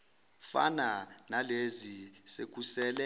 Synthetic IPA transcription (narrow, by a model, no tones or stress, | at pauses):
fa̰nanalezisek̬ʼusɛːlɛ